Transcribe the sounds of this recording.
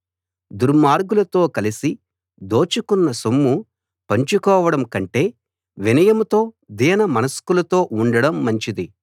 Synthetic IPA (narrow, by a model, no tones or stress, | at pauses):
d̪uɾmaːɾɡulɐt̪o̞ːkɐlisi | d̪o̞ːt͡ʃukunːɐsumːu | pɐɲt͡ʃukɔːʋɐɽɐmkɐɳʈe̞ː | ʋinɐjɐmut̪o̞ː | d̪iːnɐmɐnɐskulɐt̪o̞ːʔuɳɖɐɽɐmːɐɲt͡ʃid̪i